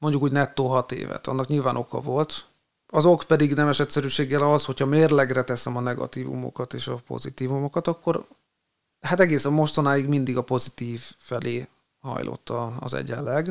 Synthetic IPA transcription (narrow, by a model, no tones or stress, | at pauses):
mo̞ɲɟukuːɟnɛt̪ːoːɦɒt̪ḛːvɛ̰t̪ɒ̰nːɒkɲilvaːnʔo̞kɒ̰vo̞lt̪ | ɒzo̞kpɛd̪iɡnɛmɛʃɛt̪sɛɾyːʃeːɡːɛlɒsho̞chɒmeːrlɛɡrɛt̪ɛsɛmɒnɛɡɒ̰t̪iːvṵmo̰kɒt̪eːʃɒpo̞̰zit̪iːvumo̞kɒt̪ɒkːo̞ɾ | hat̪ɛɡeːsɒmo̞ʃt̪ɒnaːjiɡmind̪iɡɒpo̞zit̪iːvːɛlʔeː | hɒ̰jlʔo̞̰t̪ːɒːzɛ̰ɟɛlːɛɡ